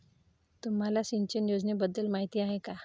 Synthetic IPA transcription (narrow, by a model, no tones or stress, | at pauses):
t̪um̤alasiɲt͡ɕənjod͡znebəd̪ːəlmaɦit̪iaɦeka